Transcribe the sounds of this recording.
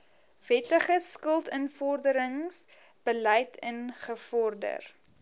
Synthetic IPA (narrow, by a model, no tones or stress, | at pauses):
vɛtəχəskəlˠtənfɔrdəɾəŋs | b̥əlɛjtʰənχəfɔrdə̰r